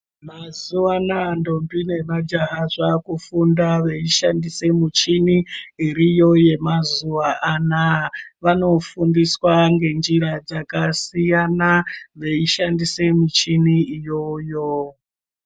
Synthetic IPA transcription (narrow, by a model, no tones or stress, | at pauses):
mazuanando̞mbine̞mad͡ʒaɦaʐakufundaʋe̞iʃandise̞mut͡ʃiniiɾijo̞je̞mazuʋaʔanaʋano̞fundiswaŋɡe̞nd͡ʒiɾad͡zakasijanaʋe̞iʃandise̞mut͡ʃiniijojo